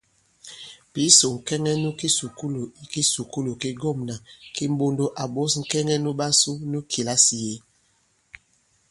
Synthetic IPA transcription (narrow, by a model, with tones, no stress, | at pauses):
pi˨˦so˨ŋ̩˨kɛ˦ŋɛ˦nu˦ki˦su˨ku˦lo˨i˦ki˦su˨ku˦lo˨ki˦ɡɔ˦˨mna˨ki˦m̩˦bo˦ndo˦ʔa˨ɓo˦sŋ̩˨kɛ˦ŋɛ˦nu˦ɓa˦su˦nu˦kʰi˨la˦si˨je˨˦